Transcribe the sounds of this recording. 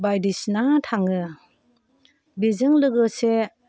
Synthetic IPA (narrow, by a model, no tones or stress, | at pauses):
bajdisnatʰaŋɯ | bizɯŋlɯɡɯse